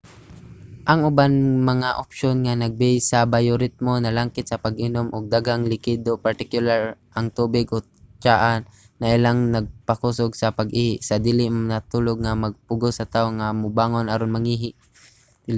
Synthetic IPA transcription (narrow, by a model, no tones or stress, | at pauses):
ʔɐŋʊbanmɐŋaʔopʃonŋanaɡ̚bɛjsabajʊɾɪt̪̚monɐlaŋkɪt̪̚sɐpaɡʔɪnomʔʊɡ̚d̪aɡaŋlɪkɪd̪opaɾt̪ɪkjʊlaɹʔaŋt̪uːbɪɡʔo | t͡ʃaʔanː | aʔɪlaŋnɐɡ̚pakusoɡsɐpaɡʔiːhɪʔsad̪iːlɪʔmnat̪uloɡ̚ŋamaɡ̚pʊɡosɐt̪aʊŋːamʊbaŋonaɾonmaŋiɦɪʔ